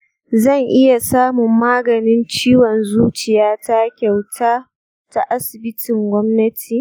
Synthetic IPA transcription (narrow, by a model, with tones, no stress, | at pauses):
zɐ˦˨ŋʔɪ˦ja˨saː˦mʊ˨mːaː˦ɡɐ˨nɪ˦nt͡ʃiː˦wɔ˨nzuː˦t͡ʃɪ˨jaː˦ta˦kʲa˨wtʰaː˦ | ta˦ʔa˦sɪ˨bɪ˦tʰɪ˨ŋɡʷɔ˦mnɐ˦tʰiː˨